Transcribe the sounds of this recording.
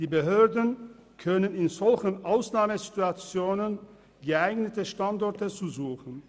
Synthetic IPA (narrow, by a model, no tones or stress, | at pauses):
d̥iːbəɦøːɐdn | kʰœnənɪnzɔlçənʔaʊsnaːməzituat͡sjoːnən | ɡəʔaɪɡnətəʃtandɔɐtət͡suzuːxn̩